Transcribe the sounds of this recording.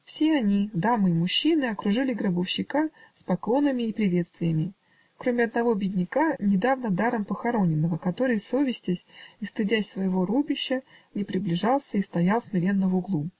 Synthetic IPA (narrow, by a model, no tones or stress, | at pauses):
fsʲeɐnʲid̪amɨimʊɕːinɨɐkɾʊʐɨlʲɪɡɾəbəfɕːɪkaspɐklˠo̞nəmʲɪːpɾʲɪvʲe̞t̪st̪vʲɪjəmʲɪ | kɾo̞mʲɪɐd̪nɐvo̞bʲɪdʲnʲɪkanʲɪd̪avnəd̪aɾəmpəxɐɾo̞nʲɪnːəvəkɐt̪o̞ɾɨjso̞vʲɪsʲtʲɪsʲist̪ɨdʲæsʲsvəjɪvo̞ɾubʲɪɕːənʲɪpɾʲɪblʲɪʐɑlˠsʲəist̪ɐjalˠsʲmʲɪɾʲe̞nːəvʊɡlˠu